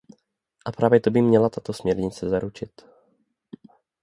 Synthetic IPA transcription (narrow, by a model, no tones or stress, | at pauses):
ʔapɾaːvjɛt̪obɪmɲɛlat̪at̪osmɲɛɾɲɪt͡sɛzaɾut͡ʃɪt̪